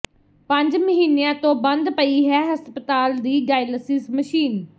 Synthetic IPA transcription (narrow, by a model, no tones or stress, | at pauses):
pə̃ɲd͡ʒməɦiːnijãːt̪õːbə̃nd̪pəiːɦɛːɦəspət̪aːld̪iːɡaːɪləsɪsməʃiːn